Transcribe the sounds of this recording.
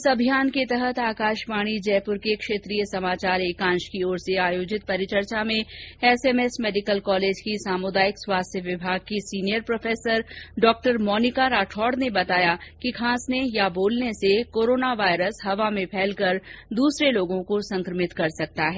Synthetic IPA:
ɪsɐbʱijaːnket̪əɦət̪aːkaːʃpaːɽ̃id͡ʒɛːpʊɾkekʃeːt̪ɾijəsɐmaːt͡ʃaːɾeːkãːʃkioːɾseaːjoːd͡ʒɪt̪̚pɐɾɪt͡ʃəɾt͡ʃamẽɛsɛmɛsmɛːɖɪkəlkɔːleːd͡ʒkisaːmʊd̪aːjɪkswaːst̪ʰjəʋɪbʱaːɡ̚kisiːnijəɾpɾoːfeːsəɾɖɔːk̚ʈəɾmɔːnɪkaɾaːʈʰɔːɖnebɐt̪aːjakikʰaːsnejaboːlnesekoːɾoːnaʋaːɪɾəsɦɐʋamẽpʰɛːlkɐɾd̪uːsɾeloːɡõkosɐ̃ŋkɾəmɪt̪kɐɾsɐk̚t̪aɦɛː

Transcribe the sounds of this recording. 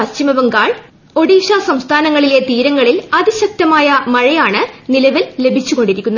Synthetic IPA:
ɐt͡ɕimɐʋɐŋɡaːɭ | o̞ɽiːɕaːsɐmst̪ʰaːnɐŋːɐɭile̞t̪iːɾɐŋːɐɭilɐðiɕɐk̚t̪ɐmaːjɐmɐɻɐjaːɳɨnilɐʋille̞bʱit͡ɕːuɣo̞ɳɖiɾikʲːunːɐ

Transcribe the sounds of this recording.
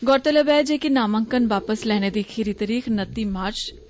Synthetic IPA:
ɡɔːɾt̪ələbɛːd͡ʒeːkinaːməŋkənʋaːpəslɛːneːd̪iːkʰiɾiːt̪əɾiːxʰnət̪ːiːmaːɾt͡ʃ

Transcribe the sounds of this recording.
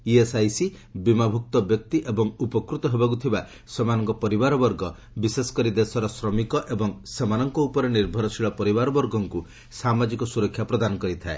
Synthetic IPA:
iesajsibimabʱuk̚t̪ɔbjɔk̚t̪iʔebɔŋupɔkɾut̪ɔɦebak̬ut̪ʰiba | semanɔŋkɔpɔɾibaɾɔbɔɾɡɔ | bisesɔ̥kɔɾid̪esɔɾɔsɾɔmikɔʔebɔŋsemanɔŋkɔupɔɾeniɾbʱɔɾɔsʰiɭɔpɔɾibaɾɔbɔɾɡɔŋku | samad͡ʒikɔsuɾɔkʰːjapɾɔd̪anɔkɔɾit̪ʰae

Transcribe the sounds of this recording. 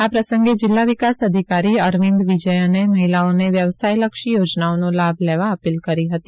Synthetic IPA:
apɾəsə̃ŋɡed͡ʒɪlːaʋikasəd̪ʱikaɾiəɾʋĩnd̪ʋid͡ʒəjəneməɦilaoneʋjəʋsajləkʃijod͡ʒnaonõlabʱleʋaəpilkəɾiɦət̪i

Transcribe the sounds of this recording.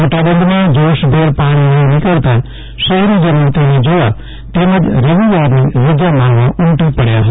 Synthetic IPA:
moːʈabə̃nd̪mãd͡ʒoːʃbʱeːɾpaːɽ̃inenĩkəɾt̪a | ʃəɦɾid͡ʒənuʋt̪iɦẽd͡ʒoːa | t̪eːmə̃d͡ʒɾeʋijaːɾneʋəd͡ʒamãːŋʋãʔʊ̃ɳʈipəɽjaɦ̪

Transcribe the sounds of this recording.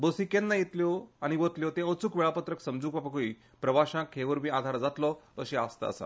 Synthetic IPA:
bosikenːajet̪ljɔaɽ̃iʋot̪ljot̪ẽət͡sukʋeɭapət̪ɾəksəmd͡zuːkbapakoi | pɾəʋaɕãkɦeʋəɾmiːad̪ʱaɾd͡zat̪lɔəɕeast̪a̰ə̰sa̰

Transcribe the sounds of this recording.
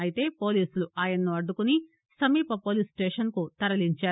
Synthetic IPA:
ɐjit̪e̞ːpo̞ːliːsuluʔaːjɐnnuɐɖːukuni | sɐmiːpɐpo̞ːliːsʈeːʂɐnkut̪ɐɾɐliɲt͡ʃaː

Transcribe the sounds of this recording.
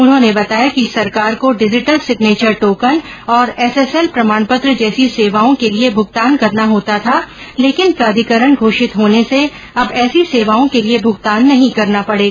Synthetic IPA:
ʊnɦõːnebɐt̪aːjakisɐɾkaːɾkoɖɪd͡ʒɪʈəlsɪkneːt͡ʃəɾʈoːkən | ɔːɾɛsɛsɛlpɾɐmaːɳpʊt̪ɾd͡ʒɛːsiseːʋaːõkeliebʱʊɡt̪aːnkɐɾnaɦoːt̪at̪ʰaː | leːkɪnpɾaːd̪ʱɪkəɾəɳɡʱoːʃɪt̪ɦoːnese | ɐbɛːsiseːʋaːõkeliebʱʊɡt̪aːnːɐɦĩkɐɾnapɐɽeːɡa

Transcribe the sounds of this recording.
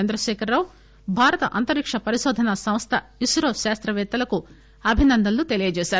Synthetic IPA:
ɐnd̪ɾɐʃɛːkɐɾːɐw | bʱaːɾɐt̪ɐʔɐnt̪ɐɾikʂɐpɐɾiʃoːd̪ʱɐnɐsɐmst̪ʰɐisɾoːʃaːst̪ɾɐʋɛːt̪ːɐlɐku | ɐbʱinɐnd̪ɐlːut̪e̞lijɐd͡ʒɛːʃaːɾu

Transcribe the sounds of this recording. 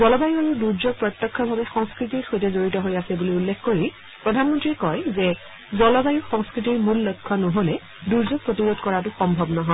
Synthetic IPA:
zɔlɔbajuaɹuduɹzoɡ̚pɹɔt̪jɔkʰːɔbʱabɛxɔŋskɹit̬iɹxojtɛzoɹitɔɦojasɛbuliulːekʰkoɹi | pɹɔdʱanmɔntɹiɛkɔjzɛ | zɔlɔbajuxɔŋskɹitiɹmulːojkʰːɔnɔɦolɛ | duɹzoɡ̚pɹotiɹodkɔɹatʊxɔmbʱɔbnɔɦɔj

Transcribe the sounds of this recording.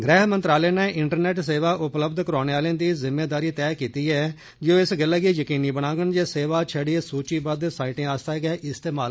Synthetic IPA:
ɡɾɛːɦmənt̪ɾaːleːnɛːʔɪɳʈəɾnɛːʈs̬eːʋaːʔʊpləbd̪kəɾaːneːaːlẽːd̪iːzɪmːeːd̪aːɾiːt̪ɛːkiːt̪iːɛː | d͡ʒõːɪsɡɪlːɛːɡiːjəkiːniːbəɽãːɡənd͡ʒeːseːʋaːt͡ʃʰəɽisuːt͡ʃiːbəd̪saːɪʈẽːaːst̪aːɡɛːʔɪst̪eːmaːl

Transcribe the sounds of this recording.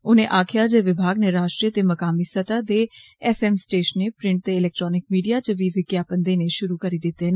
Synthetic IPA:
ʊnẽːʔaːkʰɪjaːd͡ʒeːʋɪbʱaːɡneɾaːʃʈɾiət̪eːməkaːmiːsət̪aːd̪eː | ɛːpʰɛːmsʈeːʃənːeːpɾɪ̃ɳʈ̚t̪eːɪlɛːk̚ʈɾɔːnɪk̚miːɖijaːt͡ʃəʋiːʋɪkjaːpənd̪eːneːʃʊɾuːkəɾiːd̪ɪt̪ːeːn

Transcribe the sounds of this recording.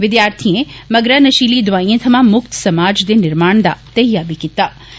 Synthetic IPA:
ʋɪd̪jaːɾt̪ʰiẽmɐɡɾanɐʃiːlid̪ʋaːĩẽt̪ʰɐmãmʊkt̪sɐmaːd͡ʒd̪enɪɾmaːɳ̃d̪a̰t̪ɐɦijaːbʱikɪt̪ːaː

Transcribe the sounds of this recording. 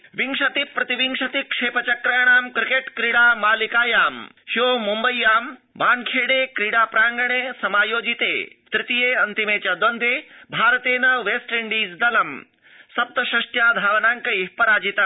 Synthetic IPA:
ʋiŋʂɐt̪ipɾɐt̪iʋiŋʂɐt̪ikʂeːpɐt͡ʃɐkɾajɐɳ̃aːmkɾikeʈkɾiɽaːmaːlikaːjaːm | hioːmumbɐjjːaːm | baːnkʰeːɽeːkɾiɽaːpɾaːŋɡɐɳeːsɐmaːjoːd͡ʒit̪ḛːt̪ɾɪt̪ijeːɐnt̪imeːt͡ɕaːd̪ond̪eːbʱaːɾɐt̪eːnɐʋeːsʈiɳɖiːd͡zd̪ɐlɐm | sɐp̚t̪ɐʃɐʂʈjaːd̪ʱaːʋnaːŋkɐipɐɾaːd͡ʒit̪a

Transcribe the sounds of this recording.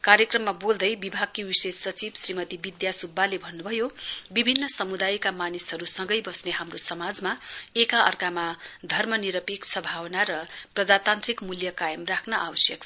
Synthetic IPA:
kaɾjekrʌmːabold̪ʌjbibʱaɡ̚kiwisesːʌt͡sibsrimʌt̪ibid̪jasubːalebʱʌnːubʱʌjobibʱinːʌsʌmud̪ajkamanisɦʌɾusʌŋɡʌjbʌsneɦamrosʌmad͡zmaekaʌ̰rkamad̪ʱʌrmʌniɾʌpiksʌbʱawʌnaɾʌprʌd͡zat̪ant̪rikmuljʌkajʌmrakʰnʌʔawʌsjʌkʰ

